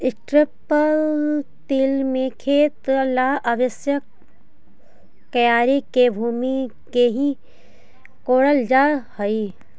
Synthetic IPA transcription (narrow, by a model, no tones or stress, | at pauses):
ɪsʈɾɪpəlt̪iːlmẽkʰeːt̪laːɐʋəsjə | kɐjaːɾekebʱuːmi | keɦi | koːɽəld͡ʒaːhɐi